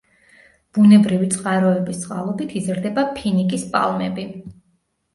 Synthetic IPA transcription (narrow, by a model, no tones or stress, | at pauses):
b̥unɛbɾivit̪sʼqʼaɾɔɛbist̪sʼqʼa̰lˠɔbit̪ʰizɾd̪ɛbapʰinikʼispʼa̰lˠmɛbi